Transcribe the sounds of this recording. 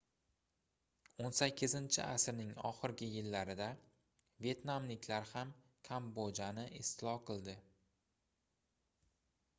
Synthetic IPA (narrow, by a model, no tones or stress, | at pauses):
onsakʲʰːɪzɪnt͡ʃʰɪ̰asɾnɪŋɒ̰χɨɾɡʲɪjɪlːaɾɪd̪a | vʲje̞t̪namlɪkʲlaɾham | kʲʰambod͡ʒanɪʔɪst̪ʰɪlɒqɨlˠd̪ɪ